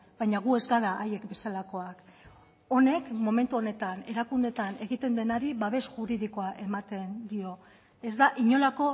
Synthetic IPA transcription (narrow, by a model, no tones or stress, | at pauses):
bajɲaɣ̞ue̞zɡaɾaʔaje̞kbe̞salako̞ak | o̞ne̞kmo̞me̞nt̪uo̞ne̞t̪ane̞ɾakund̪e̞t̪ane̞ɣit̪e̞nd̪e̞naɾiβaβ̞e̞sʝuɾið̞iko̞aʔe̞mat̪e̞nd̪io̞ | e̞zd̪aʔiɲo̞lako̞